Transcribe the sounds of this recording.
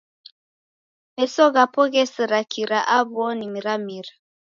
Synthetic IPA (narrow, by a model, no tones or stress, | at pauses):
mɛsɔɣapɔɣɛsəɾakʰiɾaʔaβɔnimiɾamiɾa